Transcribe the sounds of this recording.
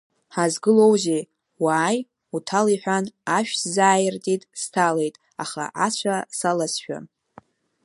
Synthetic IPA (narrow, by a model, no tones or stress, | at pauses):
ħazɡɨlo̞wze | waːj | utʰaliħʷᶣanaʃᶣszaːjɪrtʼitʼstʰale̞jtʼ | a̰χa̰ʔat͡ɕʷʰasalasʃᶣa̰